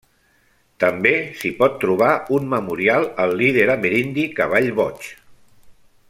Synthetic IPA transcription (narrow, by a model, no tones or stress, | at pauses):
t̪əmbesipɔt̪ːɾuβ̞aunməmuɾialˠəlːiðeɾəmeɾind̪ikəβ̞aʎβɔt͡ʃ